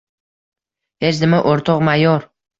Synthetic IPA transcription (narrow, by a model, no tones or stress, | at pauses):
he̞t͡ʃd̪ɪmɪʔoɾt̪ʰɒqmajɒɾ